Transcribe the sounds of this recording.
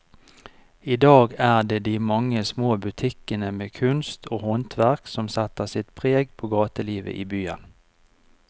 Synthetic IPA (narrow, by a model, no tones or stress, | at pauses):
iːd̪ɑːɡæːʁd̪eːd̪iːmɑŋːəsmoːbʉt̪ʰɪkənəmeːkʰʉnst̪ʰoːhɔnt̪ʰʋæʁksɔmsɛt̪əʁsɪt̪pʰʁeːɡpʰoːɡɑːt̪əliːʋə̰ʔḭːbyːə̰n